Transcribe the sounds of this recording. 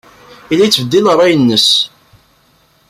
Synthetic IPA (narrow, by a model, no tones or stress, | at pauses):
ilːæjt͡sːvəd̪ːinərˤːɑjənːəs